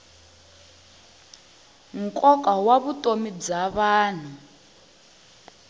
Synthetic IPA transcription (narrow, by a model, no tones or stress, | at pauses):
ŋ̩kʼɔkʼawaβutʼomid͡zaβaːn̤u